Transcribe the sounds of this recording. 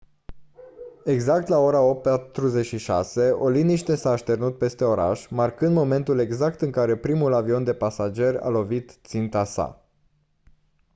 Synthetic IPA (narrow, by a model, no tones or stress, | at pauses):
e̞ɡzak̚t̪lao̞ɾao̞p̚t̪̚pat̪ɾuze̞t͡ʃʃiʃa̰se̞o̞liniʃt̪e̞saːʃt̪e̞rnut̪̚pe̞st̪e̞o̞ɾa̰ʃmarkɨnd̪mo̞me̞nt̪ule̞ɡzakt̪ɨŋkaɾe̞pɾimulavio̞nd̪e̞pasad͡ʒe̞rʲa̰lo̞vit̪t̪sint̪asa̰